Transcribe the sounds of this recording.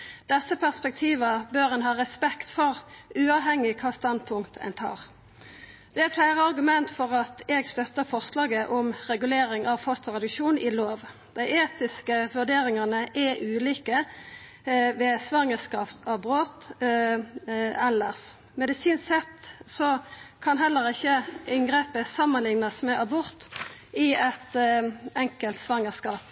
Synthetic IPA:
d̪̥ɛsːəpʰæʁspɛk̚t̪ʰiːʋəbøːʁɛnɦɑːɾɛspɛkt̪fɔɾʉːɑːʋɦɛŋːɪkʰɑːst̪ɑnd̪pʰʊŋkt̪æ̰nt̪ʰɑ̰ːʁ | d̪̥ɛæɾflæɪʁəɑɾɡʉmɛnt̪fɔʁɑt̪ɛɡst̪œt̪ːəfɔʁslɑːɡəʔʊmʁɛɡʉleːɾɪŋɑʋfɔst̪ʁɛd̪ʉʃuːnʔɪloːʋ | d̪̥æɪʔeːt̪ɪskəʋʉd̪eːɾɪŋɑnəʔɛʔʉːliːkə | ʋɛsʋɑŋːəskɑːft̪ɑbɾoːt̪ | ɛlːəs | mɛd̪ɪsiːnsɛt̪sɔkʰɑnɦɛlːəɾɪçːəɪŋɡʁeːpəsɑmːənlɪŋnəsmɛʔɑbʊɾt̪ɪɛt̪ɛŋkəlt̪sʋɑŋːəskɑːp

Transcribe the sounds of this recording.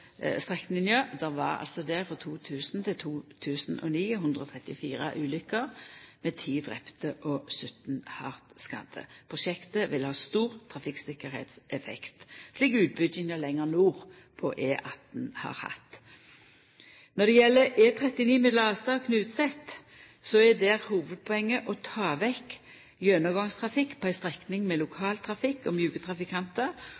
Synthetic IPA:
st̪ʁɛknɪnjød̪ɛʁʋɑ̰ʁɑ̰lsɔd̪ɛʁfɔt̪ʰuːt̪ʰʉːsn̩t̪ʰɪlt̪ʰuːt̪ʰʉːsn̩ʔɔ̰niːɦʉnd̪ʁəɔt̪ʰʁɛt̪ːɪfiːɾəʔʉːlʏkəʁmɛt̪ʰiːd̪ʁɛ̰pt̪əʔɔsʉt̪n̩hɑʁt̪skɑ̰d̪ə̰pʰʁʊʃɛkt̪əʋɪlhɑːst̪uːʁt̪ʰʁɑfɪksɪkəʁhɛ̰ːt̪sɛfɛ̰kt̪sliːkʉːt̪̚bʏd̪ɪnəlɛŋːəʁnuːʁ | pʰɔ̰ʔeːʔɑ̰t̪̚dnhɑ̰ːɾhɑ̰t̪ | nɔd̪ɛjɛlːəeːt̪ʰʁɛt̪ɪniːmɛd̪lɑːst̪ɑkʰnʉːt̪sɛt̪ | sɔɛd̪ɛːʁhuːʋəd̪̚pʰɔɛŋːəʔɔt̪ʰɑːʋɛk | jøːnəɡɑŋst̪ʰʁɑfɪkːpʰɔæɪst̪ʁɛknɪŋmɛlʊkʰɑːlt̪ʰʁɑfɪkːɔmjʉːɡət̪ʰʁɑfɪkʰɑnt̪ə

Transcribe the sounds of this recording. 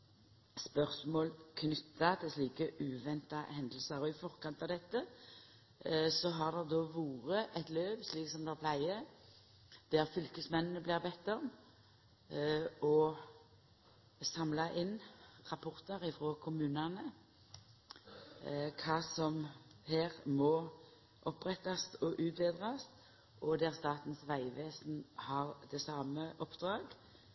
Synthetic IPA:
spœʁsmoːlkʰnʏt̪ːɑt̪ɛsliːkəʔʉːʋɛnt̪ɑhɛnd̪l̩səɾɔɪfɔʁkɑnt̪ɑd̪ɛt̪ːə | sɔɦɑʁd̪ɛʁd̪ɔːʋuːʁəʔɛt̪løːʋsliːksɔmd̪ɛpʰlæɪə | d̪̥ɛʁfʏlkəsmɛnːnəblɪːʁbɛt̪ːɔm | ɔ | sɑmlɑʔɪnʁɑpʰʊʁt̪əʁɪfʁoːkʰʊmʉːnɑnə | kʰɑːsɔmheːʁmɔ | ʔɔpːʁɛt̪ːɑsɔʔʉːt̪beːd̪ʁɑs | ʔɔd̪æʁst̪ɑːt̪n̩sʋæɪʋeːsn̩hɑʁd̪ɛsɑːməʔɔpd̪̥ʁɑːɡ

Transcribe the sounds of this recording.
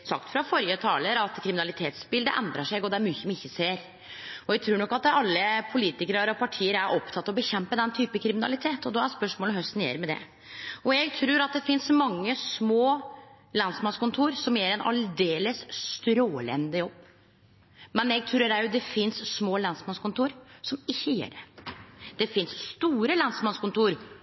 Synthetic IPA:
sɑ̰kt̪fɾɑfɔɾjət̪ʰɑːləɾɑt̪kʰɾɪmɪnɑlɪt̪ʰeːt̪spɪld̪ə̰ʔɛ̰nd̪ɾɑʂɛɡɔd̪ɛæɾmyːçəmnɪçːəseːɾ | ɔjɛɡt̪ʰɾuːɾɳɔkːɑt̪ɑlːəpʰʊliːt̪ɪkəɾəɾɔpʰɑʈʰiːəɾæɾʔɔpt̪ʰɑt̪ːɑɔbəçɛmpəd̪ɛnt̪ʰyːpəkʰɾɪmɪnɑ̰lɪt̪ʰeːt̪ɔd̪ɔæspœʂmoːlɔmhœst̪njḛːɾmɛd̪ɛ̰ | ɔɛɡt̪ʰɾʉːɾɑt̪̚d̪ɛfɪnsmɑŋːəsmoː | lɑnsmɑnskʊnt̪ʰuːɾsɔmjeːɾɛnɑ̰ld̪eːləsst̪ɾoːlɛ̰nd̪əjɔbː | mɛnjɛɡ̚t̪ʰɾʉːɾæɾjʊd̪ɛfɪnssmoːlɑnsmɑnskʊnt̪uːɾsɔmɪçːəjḛːɖɛ | d̪̥ɛfɪnsst̪uːɾəlɑnsmɑnskʊnt̪ʰuːɾ

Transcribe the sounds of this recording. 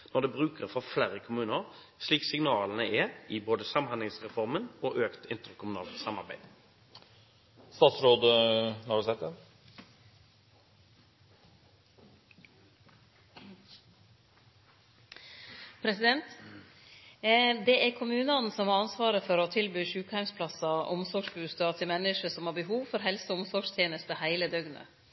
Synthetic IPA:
nɔʁd̪ɛbʁʉːkəʁfɔʁflæːɾəkʰʊmʉːnəʁ | ʂliːksɪŋnɑːlənəɛɪboːd̪əsɑmhɑnɪŋsʁɛfɔʁmənoːʔøːkt̪ɪnt̪əʁkʰʊmʉnɑ̰ːlt̪sɑmːɑʁbæɪ̥ | st̪ɑːt̪sɾoːd̪ənɔɑɖsɛt̪ɛ | pʰɾɛsɪd̪ɛnt̪ | d̪ɛæɾkʰʊmʉːnəɑn̩sɔmhɑɾɑnsʋɑːɾəfɔɾɔt̪ʰɪlbyːʂʉːkhæɪmspʰlɑsɑʔʊmsɔɡʂbʉːst̪ɑt̪ʰɪmɛnːɪʂəsɔmhɑːɾbəɦuːʋfɔɾɦɛlsʊmsɔɡʂt̪ʰjeːnəst̪əhæɪləd̪œɡnə̰

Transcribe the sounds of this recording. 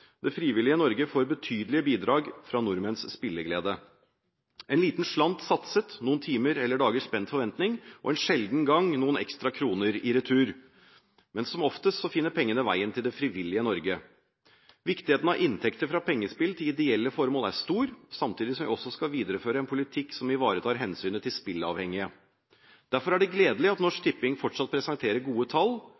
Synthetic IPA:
d̪̥ɛfɾiːʋɪlɪənɔɾɡəfoːɾbət̪ʰyːd̪əlɪəbiːd̪ɾɑːɡfɾɑnʊɾmɛnsːpɪlːəɡlḛːd̪ə | ɛnliːt̪nʂlɑnt̪sɑt̪sət̪nuːnt̪ʰiːməɾɛlːəɖɑːɡəʂpɛnt̪fɔɾʋɛnt̪nɪŋʔɔ̰ɛnʂɛld̪n̩ɡɑŋnuːənɛ̰kst̪ɾɑkʰɾuːnəɾɪɾɛt̪ʰʉːɾ | mɛnsɔmɔft̪əsɔfɪnːəɾpʰɛŋːənəʋæ̰ɪənt̪ʰɪld̪ɛfɾɪʋɪlːɪənɔɾɡə | ʋɪkt̪ɪeːt̪n̩ɑʔɪnt̪ʰɛkt̪əɾfɾɑpʰɛŋːəspɪlt̪ʰɪlɪd̪ɪɛlːəfɔɾmoːlæʂt̪uːɾsɑmt̪ʰiːd̪ɪsɔmʋɪ̰ɔsːɔskɑʋiːd̪əɾəføːɾəɛnpʰʊlɪt̪ʰɪksɔmɪʋɑːɾət̪ʰɑːɾɦɛnsyːnət̪ɪlspɪlɑ̰ʋhɛŋːɪə | d̪̥æɾfɔɾæɖɛɡleːd̪əlɪɑt̪nɔʂk̚t̪ʰɪpːɪŋfɔʈʂɑt̪̚pʰɾɛsɑŋt̪ʰeːɾəɾɡuːət̪ʰɑlː

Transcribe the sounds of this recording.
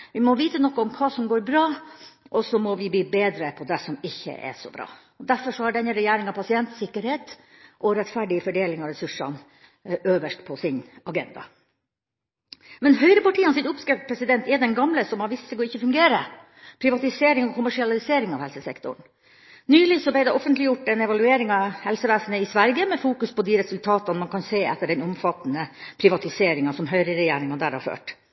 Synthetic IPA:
ʋɪmɔʋiːt̪ənɔkːɔmkʰɑːsɔmɡoːɾbɾɑːʔɔsɔmɔʋɪbliːbeːd̪ɾəpʰɔd̪ɛsɔmɪçːə̰ʔɛ̰ʂɔ̰bɾɑ̰ː | ɔd̪æɾfɔʂɔhɑɖɛnːəɾɛjæːɾɪŋɑpʰɑsɪɛnt̪sɪkːəɾheːt̪ | ʔɔɾɛt̪fæɖɪəfɔɖeːlɪŋɑɾɛsʉʂɑ̰n | ʔøːʋəʂʈpʰɔsɪnɑɡɛ̰nd̪ɑ̰ | mɛnɦœʏɾəpɑʈiːɑnsɪnʊpskɛt̪pʰɾɛsɪd̪ɛnt̪ɛd̪ɛnɡɑmləsɔmhɑɾʋɪst̪səɡɔɪçːəfʉŋɡeːɾə | pʰɾɪʋɑt̪ɪseːɾɪŋɔkʰʊmæʂɪɑlɪseːɾɪŋɑ̰ːʋhɛlsəsɛkt̪ʊ̰ɳ | nyːlɪsɔbæɪd̪ɛʔɔfənt̪lɪjʊʈːɛnɛʋɑlʉeːɾɪŋɑhɛlsəʋæːsnəɪsʋæɾɡəmɛfuːkʉspɔd̪iɾɛsʉlt̪ʰɑːt̪ɑnmɑnkɑnseːɛt̪ːəɖɛnʊmfɑt̪nəpʰɾɪʋɑt̪ɪseːɾɪŋɑsɔmɦœʏɾəɾɛjeːɾɪŋɑnd̪æ̰ːɾhɑ̰ɾfø̰ːʈ

